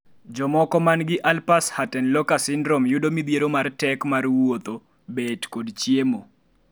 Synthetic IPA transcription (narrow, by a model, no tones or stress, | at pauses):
d͡ʒɔmɔkɔmanɡɪʔalpashatɛnlɔkasɪndɾɔmjʊdomid̪jeɾomartɛkmarwot̪o | betkodt͡ʃjemo